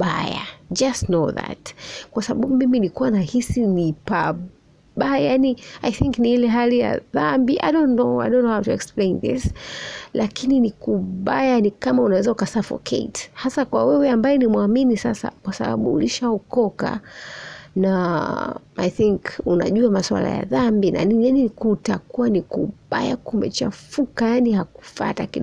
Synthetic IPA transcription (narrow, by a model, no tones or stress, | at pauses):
a̰ja̰d͡ʒastnoða̰tkwasaɓaɓumimilikuwanahisinipa | ɓajaniajθiŋkniilɛɦalija̰ðambiʔa̰jdɔ̃ntnoa̰jdõnːohawtuɛksplẽɪnðḭslʔakininikuɓajanikamaunawɛzaukasafɔ̰kʰḛthasakwawɛwɛambajɛnimwaminisasa̰kwasaɓa̰ɓṵːliʃaukɔka̰ | na | ajθiŋkuna̰ʄuamaswa̰la̰ja̰ðambina̰ninjaninikutakuanikuɓaja̰kumɛ̰t͡ʃa̰fukajanihaku̥fa̰takiɗ